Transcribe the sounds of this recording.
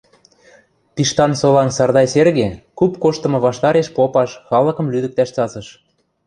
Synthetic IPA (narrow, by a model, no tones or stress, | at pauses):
piʃt̪ɑnsolɑnsɑrd̪ɑjserɣekupkoʃt̪ɤ̆mɤ̆βɑʃt̪ɑɾeʃpopɑʃxɑlɤ̆kɤ̆mlyd̪ə̆k̚t̪æʃt͡sɑzɤ̆ʃ